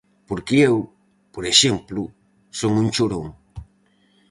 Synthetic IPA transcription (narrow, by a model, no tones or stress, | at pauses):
poɾkeew | poɾeʃemplu | soŋũnt͡ʃoɾoŋ